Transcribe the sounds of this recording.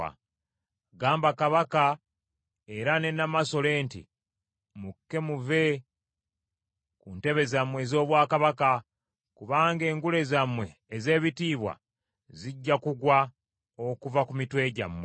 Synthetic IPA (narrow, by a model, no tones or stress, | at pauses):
a̰ | ɡaːmbakaβaka | eɾane̞namaso̞le̞ːntḭ | mukːe̞muve̞ | kunte̞βe̞zamwe̞zo̞ːβwaːkaβaka | kuβaːŋɡe̞ːŋɡule̞zamwe̞ːze̞ːβitiːβwa̰ | ziɟːakuɡwa | okuvakumitwe̞ːɟa̰mwe